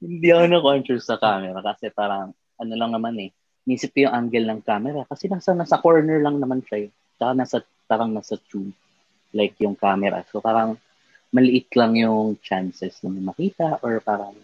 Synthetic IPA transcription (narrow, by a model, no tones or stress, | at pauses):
hɪnd̪ihɐkonɐkont͡ʃɛɹsɐkaːmɛɾɐkɐsɛpaːɾɐŋ | ʔɐnolɐŋnɐmanɛ | miːsɪt̪̚kɐjʊŋʔaŋɡɛlnɐŋkaːmɛɾɐkɐsɛnaːsɐnaːsɐkoɹnɛɹlɐŋnɐmanʃaj | t͡ʃɐkanaːsɐ | paːɾɐŋnaːsɐt͡ʃud | lajkjʊŋkaːmɛɾɐ̰sopaːɾɐŋ | mɐlɪʔɪt̪lɐŋjʊŋt͡ʃansɛsnɐmɐmɐkiːt̪ɐʔoɹpaːɾɐŋ